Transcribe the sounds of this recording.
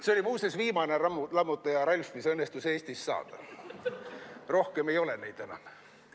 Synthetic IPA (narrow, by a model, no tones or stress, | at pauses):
seo̞lʲimuːsesviːmɑne̞mlɑmːut̪ːˑɑjɑɾɑlʲfmisɤnːest̪use̞ːsʲt̪isːɑ̰ːd̪̥ɑ̰ | ro̞hke̞me̞jo̞lenejd̪̥e̞nɑ̰m